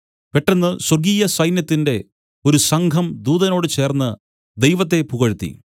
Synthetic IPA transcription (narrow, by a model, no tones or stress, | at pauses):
pe̞ʈːɐnːɨsɐrɡiːjɐsɐjnjɐt̪ːinde̞ | o̞ɾusɐŋɡʱɐmd̪uːðɐno̞ːɽɨt͡ɕe̞ːrnːɨ | d̪e̞jʋɐt̪ːe̞puɣɐɻut̪ːḭ